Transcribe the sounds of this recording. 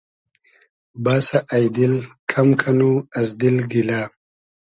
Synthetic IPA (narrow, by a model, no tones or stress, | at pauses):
baːsaʔajd̪ilkʰamkʰanuɐzd̪ilɡilaː